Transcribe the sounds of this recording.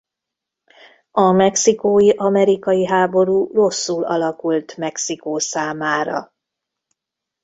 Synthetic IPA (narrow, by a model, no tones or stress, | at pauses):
ɒmɛksikoːjiʔɒmɛɾikɒjiɦaːbo̞ɾuːro̞sːuːlɒ̰lɒkult̪mɛksikoːsaːmaːɾɒ̰